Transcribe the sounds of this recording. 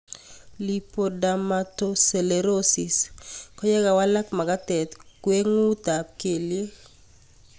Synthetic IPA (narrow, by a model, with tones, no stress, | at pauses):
lipo˨damatose˨le˨ɾosi˨skɔ˦jɛ˦ɡa˨wa˦la˦kma˨ɡa˦tɛ˨t̪kwe˦ŋu˦t̪a˨p̚ke˨lje˦